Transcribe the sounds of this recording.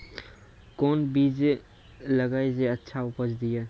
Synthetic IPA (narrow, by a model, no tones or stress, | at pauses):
koːnbiːd͡ʒe | ləɡaːed͡ʒeətːʃʰaʊpət͡ʃd̪ijaː